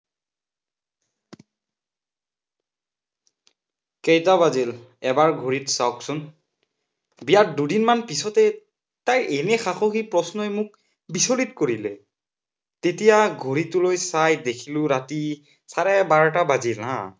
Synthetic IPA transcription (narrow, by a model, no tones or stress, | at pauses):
kejtabazil | ɛbaɹɡʱoɹitsawksʊn | bijat̚dudinmanpisɔtɛ | tajʔenɛxaxɔxipɹɔsnɔjmʊk̚ | bisolitkoɹilɛ | tetijaɡʱoɹitʊlojsajdekʰilʊ̃ɹati | saɹɛbaɹtabazila̰